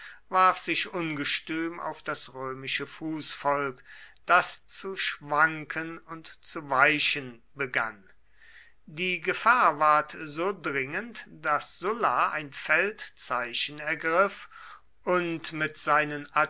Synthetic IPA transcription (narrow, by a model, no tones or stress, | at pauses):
vaɐfz̥ɪʃʔʊnɡəʃtyːmʔa̰ʊfd̥asʁøːmɪʃəfuːsfɔlkd̥ast͡suʃv̥aŋkʰənʊntt͡suvaɪʃən | bəɡa̰n | diːɡəfaːɐvaɐtzoːdʁɪŋəntd̥asz̥ʊlaa̰ɪnfɛltt͡saɪʃən̩ɛɐɡʁɪf | ʔʊntmɪtz̥aɪnəna